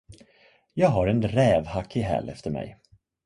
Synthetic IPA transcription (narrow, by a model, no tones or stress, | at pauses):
jɑːɡɦaɾɛnɾɛːvhakʰːɪɦɛ̰ːlɛ̰ft̪əɾmɛ̰j